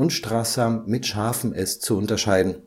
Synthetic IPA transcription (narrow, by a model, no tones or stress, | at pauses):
ʊnʃtʁ̥aːsaːmːɪtʃaːɐfn̩ʔɛst͡suʊntɐʃaɪdn̩